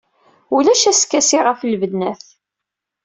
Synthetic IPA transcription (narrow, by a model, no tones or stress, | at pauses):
ulæʃæskːæsiʁəflvəd̪næθ